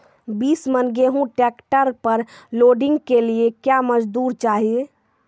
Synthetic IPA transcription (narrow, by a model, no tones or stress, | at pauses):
bismənɡeɦũʈɛkʈəɾpəɾloɖɪ̃ŋɡkeliekjaməd͡ʒd̪uːɾt͡ʃaːɦie